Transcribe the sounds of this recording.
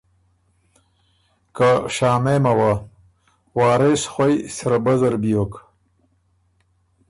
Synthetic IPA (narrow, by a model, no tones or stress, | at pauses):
kaɕaːmemɐwa | waːɾesxwajsɾɐbɐzɐɾbiok